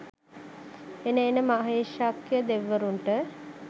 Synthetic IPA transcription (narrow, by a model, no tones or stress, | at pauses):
enəenəmaɦeːʃakjəd̪eʋːəɾuɳʈə